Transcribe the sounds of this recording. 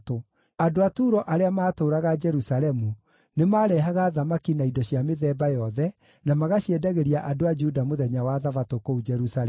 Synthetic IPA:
to | adoatuːɾɔʔaɾeamaːtoːɾaɣad͡ʒɛɾusalɛmu | nemaːɾɛɦaɣaðamakinaidɔɕjameðɛbajɔðɛ | namaɣaɕiɛdaɣeɾiaʔadoad͡ʒudamoðɛɲawaːðafatokoud͡ʒɛɾusaɛ

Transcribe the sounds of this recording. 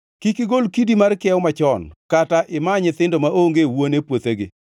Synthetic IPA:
kikɪɡolkidimarkɪɛwmat͡ʃɔnkataʔɪmaɲɪt̪ɪndomaʔoŋɡewonepwot̪eɡɪ̰

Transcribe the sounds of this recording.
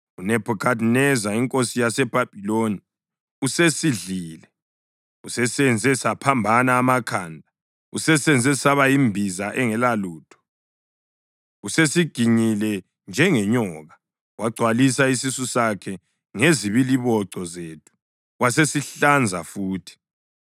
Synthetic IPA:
unɛpʰɔkʰadnɛzaiŋkʼosijasɛb̥ʱab̥ʱiloni | usesiɮiːlɛ | usɛsɛnd͡zʱɛsapʰambʱanaːmakʰaːndʱa | usɛsɛnd͡zʱɛsaβaimbʱizaʔɛŋɛlaluːtʰɔ̥ | usesiɡ̥ʱiɲilɛ | nd͡ʒʱɛŋɛɲɔɣa | waɡ͡ǀʱwalisaisisusakʰɛ | ŋeziβiliβɔǀʱɔzeːtʰu̥ | wasesiɬand͡zʱafuːtʰi̥

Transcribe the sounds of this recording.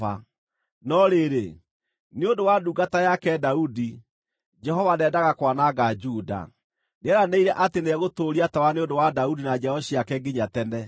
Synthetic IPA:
a | nɔɾeɾe | neondowaduɡatajakɛdaudi | d͡ʒɛɦɔvanɛːdaɣakwanaɡad͡ʒuda̰ | neɛɾaneiɾɛʔateneɛɣotoːɾiatawaneondowadaudinaɲɛɔɕiakɛɡeɲatɛnɛ

